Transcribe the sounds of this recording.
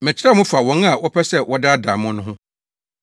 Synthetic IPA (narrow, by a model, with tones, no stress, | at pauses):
mɪ̃˨t͡ɕʰɪ˦ɾa˦mʊ̃˦fa˨wɔ̃˨˦n˦a˨wʔɔ˦pʰɛ˦sɛ˦˨wɔ˦da˦a˦da˨mʊ̃˦nʊ̃˦ɦʊ̃˦